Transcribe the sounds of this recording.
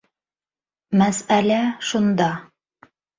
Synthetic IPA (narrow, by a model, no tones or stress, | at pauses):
mæsælæʃund̪ɑ